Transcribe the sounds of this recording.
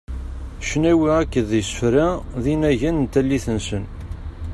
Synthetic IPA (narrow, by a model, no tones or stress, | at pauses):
ʃnæwiækːəðjsə̥fɾæðinæʝænənt̪ælːiθənsən